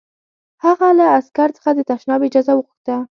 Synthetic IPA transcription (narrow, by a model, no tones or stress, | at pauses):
haɣalaːskaɾt͡sə̥χxad̪ət̪aʃnɑbɪd͡ʒɑzawəxuxt̪a